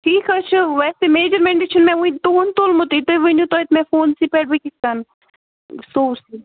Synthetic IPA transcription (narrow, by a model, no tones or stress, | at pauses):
ʈʰiːkɐt͡ʃʰɨʋɛːsemeːd͡ʒəɾmẽːɳɖeʃənmɛ̃uĩd̪oːnt̪olmot̪it̪oʋinut̪ot̪mɛ̃foːnsipɛːʈ̚bikiskan | soːɾsi